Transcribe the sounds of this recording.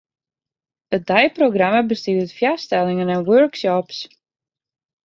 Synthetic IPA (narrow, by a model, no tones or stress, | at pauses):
ət̚dajproɡraməbəstyətfjastɛlˠɪŋənɛnwøɹksɔps